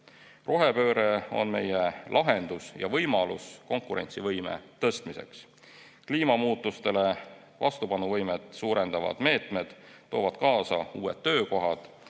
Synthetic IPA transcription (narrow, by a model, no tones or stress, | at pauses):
ro̞ɦe̞pø̞ːɾeo̞̰nme̞̰jelʔɑɦe̞nd̪̥usjɑ̰vɤjmɑlusko̞ŋkuɾe̞̰nt̪sivɤjmḛt̪ɤst̪mise̞̰ks | kliːmɑmuːt̪ˑːust̪e̞le̞ | vɑst̪upɑnuvɤjmet̪ˑsuːɾe̞nd̪̥ɑvɑ̰d̪̥me̞ːt̪me̞d̪̥ːo̞ːvɑd̪̥kɑːsɑ̰uːe̞̰d̪̥ːø̞ːko̞ɦɑd̪̥